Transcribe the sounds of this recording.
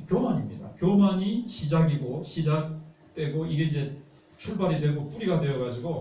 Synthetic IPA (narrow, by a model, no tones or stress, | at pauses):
kjomaɲimɲidakjomaɲiɕʰid͡ʑaɡiɡoɕʰid͡ʑak̚t͈we̞ɡoiɡe̞ind͡ʑe̞ | t͡ɕʰuɭbaɾidwe̞ɡop͈uɾiɡadwe̞jʌɡad͡ʑiɡo